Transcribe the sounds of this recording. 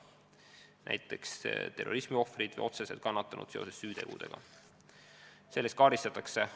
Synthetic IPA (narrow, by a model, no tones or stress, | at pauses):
næ̰jt̪ːˑe̞kst̪e̞rːo̞̰ɾismio̞frid̪̥vḛjo̞t̪se̞se̞lt̪̚kɑnːɑt̪ːˑɑnʔṵd̪̥se̞o̞se̞ssyːt̪e̞̰ɡ̥ṵd̪̥e̞̰ɡ̥ɑ̰ | se̞lːest̪kɑːɾist̪ɑt̪ːˑɑkse̞